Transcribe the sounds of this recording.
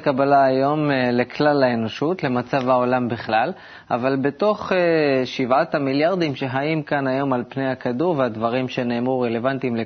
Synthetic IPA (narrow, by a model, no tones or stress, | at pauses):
kabalaːjo̞mlekʰlalːae̞no̞ʃutle̞mat͡savhao̞lambiχlal | avalbe̞to̞χeʃivat̪hamiljaʁd̪imʃe̞ɦajimkanajo̞malpnejhakaduʁveadvaʁimʃe̞ne̞ːmʁuʁe̞le̞vant̪imle